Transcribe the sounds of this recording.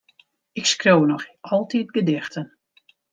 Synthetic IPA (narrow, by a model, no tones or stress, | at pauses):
ɪkskrownɔxɔlˠtit̚ɡədɪxtən